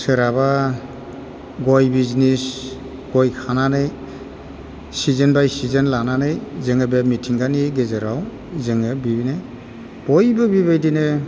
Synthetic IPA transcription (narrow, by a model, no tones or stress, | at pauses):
sɯɾaba | ɡɔjbiznis | ɡ̥ɔjkʰananɯj | sizenbajsizenlananɯjzeŋɯbemitʰiŋɡaniɡezeɾaw | zɯŋɯbibinaj | b̥ɔjbɯbibajdinɯ